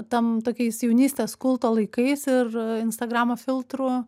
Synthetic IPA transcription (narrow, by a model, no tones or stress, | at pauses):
t̪ɐmt̪oːkʲɛɪsjɛʊnʲiːsʲt̪ʲeːskʊlˠt̪oːlˠɐɪkɐɪsɪrɪnst̪ɐɡɾɑːmoːfʲɪlˠt̪ɾʊ